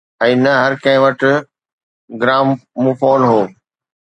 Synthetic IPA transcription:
ɛ̃ːnɐɦɐɾkɐ̃ɦɪ̃ʋɐʈɪ̆ | ɡɾaːmmũfoːnɦoː

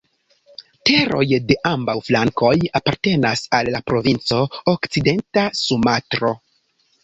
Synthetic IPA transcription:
te̞ɾo̞̰jde̞ʔambawflaŋko̞japaɾte̞nasalːapɾo̞vint͡so̞okt͡side̞ntasumatɾo̞

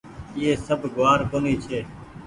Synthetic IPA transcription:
iːeːsəbʱɡʊʋaːɾkoːniːt͡ʃʰeː

